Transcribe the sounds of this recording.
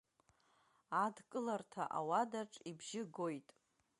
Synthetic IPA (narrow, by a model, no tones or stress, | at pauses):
adkʼɨlartʰa̰ʔa̰wadaʈ͡ʂʼibʒɪɡo̞jtʼ